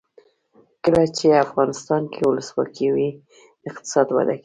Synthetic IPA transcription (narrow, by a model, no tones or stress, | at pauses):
kəlat͡ʃeafɣɑnɪst̪ɑnkʰewʊləswɑ̰kʰiwi | ɪq̚t̪ɪ̥sɑd̪wa̰d̪aki̥